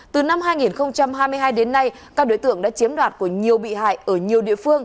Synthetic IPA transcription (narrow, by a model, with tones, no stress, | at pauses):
t̪ɨ˨˩na˧mhaː˧jŋi˨˩nxə˧wŋ͡mt͡ɕa˧mɦaː˧jmɨ˧əɦaː˧jɗe˨˦nːa˧j | kaː˦˥k̚ɗo˨˧˦jt̪ɨ̰˧˨əŋɗa̰ː˧˥t͡ɕi˨˦mɗwaː˨˩t̚ku˧˩əɲi˨˩əwɓḭ˧˨ɦa̰ː˧˨jʔəː˧˩ɲi˨˩əwɗḭ˧˨əfɨ˧əŋ